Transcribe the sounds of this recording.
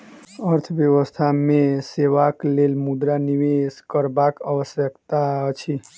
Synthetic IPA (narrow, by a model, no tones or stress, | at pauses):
əɾt̪ʰʋjəʋəst̪ʰamẽseʋaklelmud̪ɾaniʋeskəɾbakəʋəsjəkt̪at͡ʃʰi